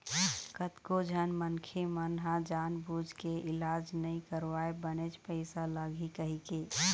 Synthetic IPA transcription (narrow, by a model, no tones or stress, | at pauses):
kət̪kod͡ʒʱənmənkʰemənɦãd͡ʒanbud͡ʒʱkeɪlad͡ʒnəĩkəɾʋaebənet͡ʃpəɪsaləɡʱikəɦike